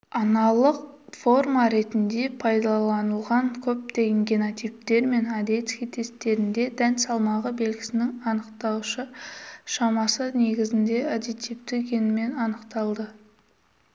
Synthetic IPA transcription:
ɑnɑlˠəqfo̞rmɑɾe̞t̪ɪnd̪e̞pʰɑjd̪ɑlˠɑnəlˠʁɑŋkʲʰɵp̚t̪e̞ɡʲɪŋɡʲenot̪ijp̚t̪e̞ɾme̞nad̪e̞t̪skʲijt̪ʰe̞st̪e̞ɾɪnd̪e̞d̪ænsɑlˠmɑʁəbe̞lɡʲɪ̥sɪnɪŋɑnəqt̪ɑwʃəʃɑmɑsəne̞ɡʲɪzɪnd̪e̞ad̪et̪ipt̪ɪkʲʰenɪme̞nɑnəqt̪ɑlˠd̪ə

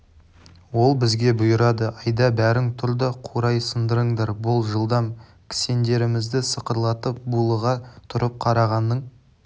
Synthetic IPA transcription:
wo̞lˠbɪzɡʲe̞bʊjəɾɑd̪əʔɑjd̪ɑbæɾɪŋt̪ʰʊɾd̪ɑqʰuɾɑjsənd̪əɾəɴd̪ɑɾbʊlˠʒəlˠd̪ɑm | kʲʰɪ̥se̞nd̪e̞ɾɪmɪzd̪ɪsəqəɾlˠɑt̪əp̚bulˠəʁɑt̪ʰʊɾəp̚qʰɑɾɑʁɑnːəɴ

